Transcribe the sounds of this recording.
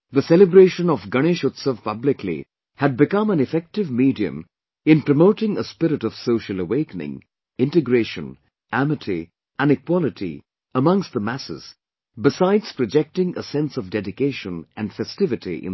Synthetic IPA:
ðəsɛlɨbɾeɪʃə̃nɔvɡʌñeʃʊt̪səvpʌblɪkʰlḭ | hæd̚bɨkʌ̃mæ̃nɨfɛk̚tɨvmidiɨ̰̃m | ɪ̃npɹ̥əmoʊtɪ̃ŋəspɪɾɨtɔv̥soʊʃəlˠəweɪkənɪ̰̃ŋ | ɪ̃ntɨɡɾeɪʃə̰̃n | ʔæmɨtʰḭ | ʔæ̃nɨkwɔlɨtʰḭ | əmʌ̃ŋst̚ðəmæsɪ̰z̥ | bɪsaɪdz̥pɹɔd͡ʒɛk̚tɪ̃ŋə̰sɛ̃nsʌvdɛdɪkeɪʃə̃nɨ̃nfɛstɪvɨtʰḭʔɪ̰̃n

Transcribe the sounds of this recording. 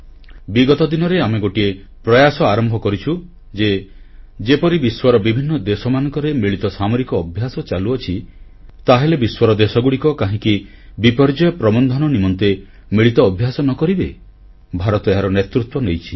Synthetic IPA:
biɡɔt̪ɔd̪inɔɾeameɡoʈie | pɾɔjasɔaɾɔmbʱɔkɔɾit͡ʃʰu | d͡ʒe | d͡ʒepɔɾibiswaɾɔbibʱinːɔd̪esɔmanɔ̃ŋkɔɾemiɭit̪ɔsamoɾikɔːbʱjasɔt͡ʃaluɔt͡ʃʰi | t̪aɦelebiswɔɾɔd̪esɔɡuɽikɔkaɦĩki | bipɔɾd͡ʒɔjɔpɾɔbɔnd̪ʱɔnɔnimɔnt̪e | miɭit̪ɔːbʱjasɔnɔkɔɾibe | bʱaɾɔt̪ɔeɦaɾɔnet̪ɾut̪wɔnejt͡ʃʰi̥

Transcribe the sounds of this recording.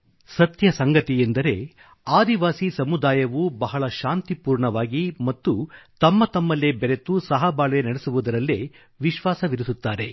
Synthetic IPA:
sɐt̪jɐsɐŋɡɐt̪ijend̪ɐɾe̞ | aːd̪iʋaːsisɐmud̪aːjɐʋubɐɦɐɭɐʃaːnt̪ipuːɾɳɐʋaːɡimɐt̪ːut̪ɐmːɐt̪ɐmːɐlːebɛɾe̞t̪usɐɦɐbaːɭʋenɐɽesuʋud̪ɐɾɐlːe | ʋiʃʋaːsɐʋiɾisut̪ːaːɾe̞

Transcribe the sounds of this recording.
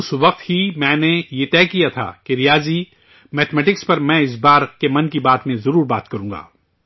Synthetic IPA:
ʊsʋɐq̚t̪himɛ̃ːnejet̪ɛːkijat̪ʰa̰ːkeɾijaːzi | mɛːt̪mɛːʈɪkspɐɾmɛ̃ːɪs̬baːɾkemɐnkibaːt̪mẽzɐɾuːɾbaːt̪kɐɾũːŋɡa̰ː

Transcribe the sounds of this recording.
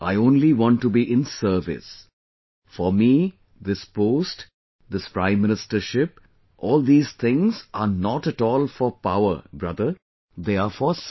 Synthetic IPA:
ʔa̰ɪõːnliʋɔ̃nʈːubiʔɪ̃nsəɾʋɪ̰s | fɔmi | d̪ɪspoːsʈ | d̪ɪspɾãɪ̃mːɪ̃nɪsʈəɾʃɪp | ʔɔːld̪iːz̥t̪ʰɪ̃ŋzʔanɔʈɛʈɔːlfɔɾpa̰ʊə̰ɾbɾʌd̪ə | d̪eːafɔs

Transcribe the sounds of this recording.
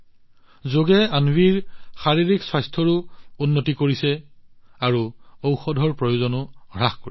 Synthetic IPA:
zoɡɛanwiɹxaɹiɹikswajstʰɔɹʊunːotikoɹisɛ | aɹuowxɔdʱɔɹpɹɔjozɔnʊɹaxkoɹi

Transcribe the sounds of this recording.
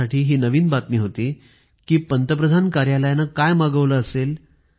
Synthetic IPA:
aʈiːɦiːnəʋiːnbat̪miːɦot̪iː | kiːpənt̪əp̬ɾəd̪ʱankaɾjaləjanakajmaɡəʋləəsel

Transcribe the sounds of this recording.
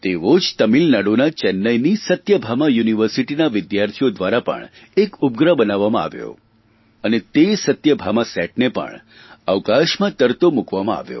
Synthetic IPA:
t̪eʋod͡ʒt̪əmilnaɽonat͡ʃɛnːəjnisət̪jəbʱamajuniʋəɾsiʈinaʋɪd̪jaɾt̪ʰijod̪ʋaɾapə̰ɳ | ekub̚ɡɾəbənaʋːamãa̰ʋjo̰ | ənet̪esət̪jəbʱamasɛʈ̚nepə̰ɳ | aʋkaʃmãt̪əɾt̪omukʋamãa̰ʋjo̰

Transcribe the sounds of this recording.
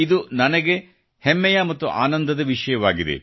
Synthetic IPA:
id̪unɐnɐɡe̞ | hemːɛjɐmɐt̪ːuʔa̰ːnɐnd̪ɐd̪ɐʋiʂɐjɐʋaːɡid̪e̞̰

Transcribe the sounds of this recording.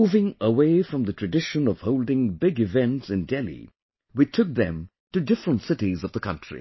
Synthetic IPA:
uvɪ̃ŋəweɪfɹʌ̃mðɨtʰɹ̥ɨdɪʃə̃nʌv̥hoʊlˠdɪ̃ŋbɪɡɨvɛ̃ntsɨ̃ndɛlˠḭ | witʰʊk̚ðɨ̰̃m | tɨdɪfɹə̃ntsɪɾizʌvðəkʰʌ̰̃ntɹ̥ḭ

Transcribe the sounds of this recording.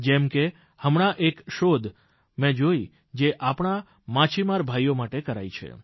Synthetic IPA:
d͡ʒɛmke | həmɳ̃aʔekʃod̪ʱ | mɛ̃d͡ʒoi | d͡ʒeʔapɳa | mãt͡ʃʰimaɾbʱajomaʈekəɾa̰jt͡ʃʰḛ

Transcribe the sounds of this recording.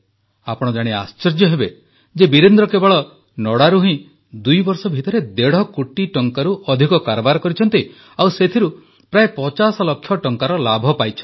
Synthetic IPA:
apɔɽ̃ɔd͡ʒaɽ̃ia̰st͡ʃɔɾd͡ʒjɔɦebe | d͡ʒebiɾend̪ɾɔkebaɭɔ | nɔɽaɾuɦĩ | d̪ujbɔɾsɔbʱit̪ɔɾed̪eɽ̤ɔkuʈiʈɔŋkaɾuʔɔd̪ʱikɔkaɾɔbaɾɔkɔɾit͡ʃʰɔnt̪i | awset̪ʰiɾu | pɾaepɔt͡ʃasɔlɔkʰːjɔʈɔŋkaɾɔlabʱɔpajt͡ʃʰɔ̥

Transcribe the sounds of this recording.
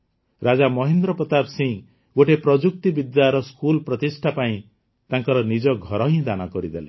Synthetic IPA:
ɾad͡ʒamɔɦind̪ɾɔpɔt̪absĩŋ | ɡoʈepɾɔd͡ʒuk̚t̪ibid̪jaɾɔskulpɾɔt̪isʈʰapaĩ | t̪ãŋkɔɾɔnid͡ʒɔɡʱɔɾɔɦĩd̪anɔkɔɾid̪ele

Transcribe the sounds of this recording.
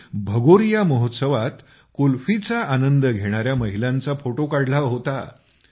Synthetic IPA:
bʱəɡoɾjaməɦot̪səʋat̪ | kulfit͡saanənd̪əɡʱeɽ̃aɾjaməɦilãnt͡safoʈokaɽlaʋɦot̪a̰

